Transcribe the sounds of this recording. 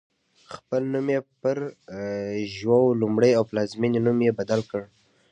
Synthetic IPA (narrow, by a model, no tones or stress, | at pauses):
xpəlnumjepəɾ | ʒwawlumɽəjawplɑzminnumjebad̪alkəɽ